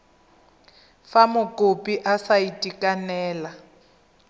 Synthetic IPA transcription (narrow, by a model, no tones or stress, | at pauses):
famʊkʼopʼiʔasaitʼikʼanɛːla